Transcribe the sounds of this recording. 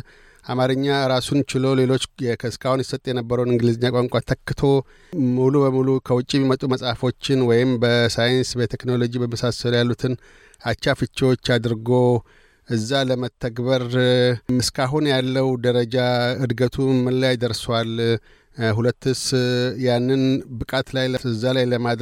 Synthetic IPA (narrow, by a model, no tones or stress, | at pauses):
ʔamaɾɨɲːaɨɾasunt͡ʃɪlo̞le̞lo̞t͡ʃːkʰɨskʰahunjɪsət̪ʼjɛnəbːəɾəwnɨŋɡɨlɨzɪɲːakʷʼaŋkʷʼat̪ʰəkːɨt̪ʰo̞ | mulubəmulukʰəwʊt͡ʃʼiemːimət̪ʼuməsʼafo̞t͡ʃːɪnwɔjɪmbəsajɪnsbət̪ʰekno̞lo̞d͡ʒibəmːəsasːəljalːut̪ʰɨn | at͡ʃːafɨt͡ʃːwot͡ʃːad̪ɨɾɡo | ʔɨzːaləmət̪ʰːəɡbəɾ | ɨskaɦunjalːəwd̪əɾəd͡ʒaɨd̪ɡət̪ʰumɨnlajd̪əɾswal | hulət̪ːɨsjanːɨnbɨkʼat̪lajləɨzːalajləmad̪